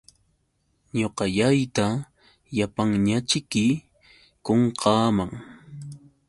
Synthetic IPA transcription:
ɲoqɑʎajt̪a | japaŋɲat͡ʃɪkɪ | koɴqʰɑːmaŋ

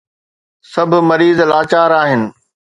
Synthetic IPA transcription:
sɐbʱʊ̆mɐɾiːzlaːt͡ɕaːɾaːɦɪnɪ̆

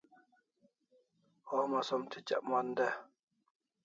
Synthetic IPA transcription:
ɔhmasɔmtʰit͡ʃaʔmandɛ

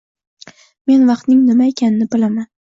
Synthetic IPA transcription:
me̞nvɑqt̪nɪŋnɪmaekʲanɪnɪbɪlaman

